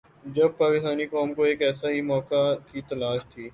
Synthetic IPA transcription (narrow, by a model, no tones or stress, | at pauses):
d͡ʒɐb̚paːkɪst̪aːnikɔːmkoeːkɛːsaɦimɔːkakit̪ɐlaːʃt̪ʰiː